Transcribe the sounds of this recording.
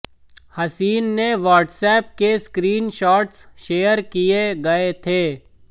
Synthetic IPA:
hɐsiːnːeʋaːʈsɛːp̚keskɾiːnʃɔːʈsʃeːəɾkijeɡɐet̪ʰeː

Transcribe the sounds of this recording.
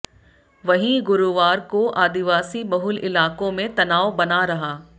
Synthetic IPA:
ʋɐɦĩɡʊɾuʋaːɾkoʔaːd̪ɪʋaːsibɐɦʊlɪlaːkõmẽt̪ɐnaːobɐnaɾɐɦaː

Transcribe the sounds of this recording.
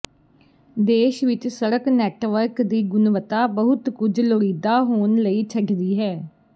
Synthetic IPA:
d̪eːʃʋɪt͡ʃsəɾəknɛːʈʋəɾkd̪iːɡʊnʋət̪aːbəɦʊt̪kʊd͡ʒloɽiːd̪aːɦoːnləiːt͡ʃʰəɖd̪iːɦɛː

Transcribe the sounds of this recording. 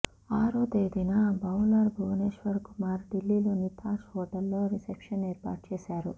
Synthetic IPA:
aːɾuːd̪eːd̪inabʱɐwlaːɾbʱɐʋneːʃʋɐɾkumaːɾd̪ilːilonit̪ʰaːʃɦɔːʈɐlːoːɾisepʃɐneːɾpa̰ːʈ̚t͡ʃeːsaːɾṵ

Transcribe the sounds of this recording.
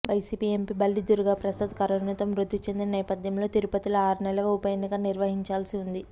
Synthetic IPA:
ʋɐjsiːpie̞mpibɐlːid̪uɾuɡaːpɾɐsɐd̪kɐɾɐnut̪ɐmɾud̪ʱːut͡ʃe̞nd̪inɐnɛːpɐd̪ʱjɐmlo̞ːt̪iɾupɐt̪ilɐaːɾunɛlɐɡɐupɐjeːnːikɐniɾʋɐɦiɲt͡ʃaːlɐsiund̪i

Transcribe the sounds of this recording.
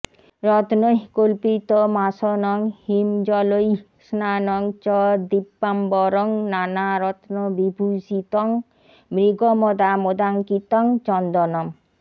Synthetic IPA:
ɾɔt̪noɦkolpit̪ɔmasɔnɔŋhimd͡ʒɔloj | snanɔŋt͡ʃɔd̪ipːambɔɾɔŋnanaɾɔt̪nɔbibʱusit̪ɔŋ | mɾiɡɔmɔd̪amod̪aŋkit̪ɔŋt͡ʃɔnd̪ɔnɔm

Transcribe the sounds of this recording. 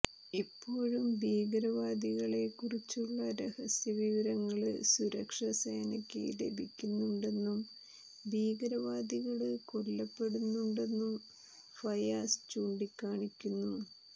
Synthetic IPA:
ipːo̞ːɻumbiːɡɾɐʋaːd̪iɣɐɭe̞kːurit͡ɕːuɭːɐɾehɐsjɐʋiʋɐɾɐŋːɐɭɨsuɾɐkʂɐseːnɐkʲːḛle̞̰bʱikʲːunːuɳɖe̞nːum | bʱiːɡɾɐʋaːd̪iɣɐɭɨkoɭːɐpːe̞ɽunːuɳɖe̞nːum | fɐjaːst͡ɕuːɳɖikːaːɳikʲːunːu

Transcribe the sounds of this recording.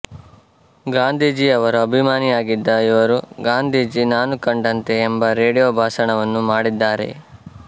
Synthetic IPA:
ɡaːnd̪ʱiːd͡ʒiɐʋɐɾuɐbʱimaːniaːɡid̪ːɐiʋɐɾuɡaːnd̪ʱiːd͡ʒinaːnukɐɳɖɐnt̪e̞ːmbɐɾe̞ːɽijoːbʱaːʃɐɳɐʋɐnːumaːɽid̪ːaːɾe̞̰

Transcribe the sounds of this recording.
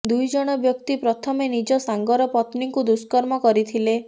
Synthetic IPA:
d̪ujd͡ʒɔɽ̃ɔbjɔk̚t̪ipɾɔt̪ʰɔmenid͡ʒɔsaŋɡɔɾɔpɔt̪niŋkud̪uskɔɾmɔkɔɾit̪ʰile

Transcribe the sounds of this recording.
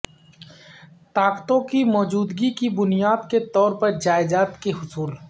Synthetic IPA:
t̪aːqt̪õkimɔːd͡ʒuːd̪ɡikibʊnijaːd̪ket̪ɔːɾpɐɾd͡ʒaːɪd͡ʒaːt̪keɦʊsuːl

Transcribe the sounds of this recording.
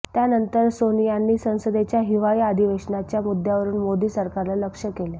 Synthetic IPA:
t̪janənt̪əɾsonijanːiːsə̃w̃səd̪et͡ɕjaɦiʋajad̪ʱiʋeʂnat͡ɕjamud̪ʱjaʋəɾuːnmod̪iːsəɾkaɾlaləkʂəkele

